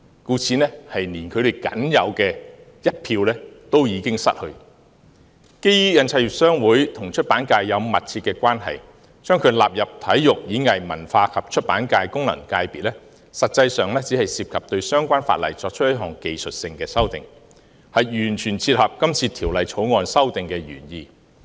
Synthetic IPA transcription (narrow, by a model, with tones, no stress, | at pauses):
kuː˧t͡sʰiː˧nɛː˥hɐ˨jniː˨˩nkʰɵ˨˧ɥɾe˨˩kɐ̰˨˥njɐ˨˧wkɛː˧ | jɐ˥t̚pʰiː˧wlɛː˥t̪o˥wjiː˨˧kɪ˥ŋsɐ̰˥t̚hɵ˧ɥ | ke˥jyː˥jɐ˨˧nt͡sʰɐ˧jy˨k̚sœː˥ŋwuː˨˥jt̪ʰʊ˨˩ŋt͡ʃʰɵ˥t̚paː˨˥nkaː˧jːɐ˨˧wmɐ˨t̚t͡sʰiː˧t̚kːɛː˧kʷwʷaː˥nɦɐ̰˨˩j | t͡ʃœː˥ŋkʰɵ˨˧ɥla̰ː˨p̚jɐ˨p̚t̪ʰɐ˨˥jjʊ˨k̚jiː˨˥ŋɐ˨jmɐ̰˨˩nfaː˧kʰɐ˨p̚t͡ʃʰɵ˥t̚pa̰ː˨˥nkaː˧jkʊ˥ŋlɐ̰˨˩ŋkaː˧jpiː˨t̚lɛ˥ | sɐ˨t̚t͡sɐ˧jsœː˨ŋlɛː˥t͡siː˨˥hɐ˨jsiː˨p̚kʰɐ˨p̚t̪ɵ˧ɥsœː˥ŋkʷaː˥nfa̰ː˧t̚lɐ̰˨˩jt͡sɔː˧k̚t͡ʃʰɵ˥tjɐ˥t̚ɦɔː˨˩ŋke˨˧jsɵ˨t̚sɪ˧ŋkɛː˧sɐ˥wt̪ɪ˨ŋ | hɐ˨jjyː˨˩nt͡ʃʰyː˨˩nt͡sʰiː˧t̚hɐ˨p̚kɐ˥mt͡sʰiː˧t̪ʰiː˨˩wlɐ˨jt͡ʃʰo˨˥wŋɔː˧nsɐ˥wt̪ɪ˨ŋkɛː˧ɥy̰ː˨˩njiː˧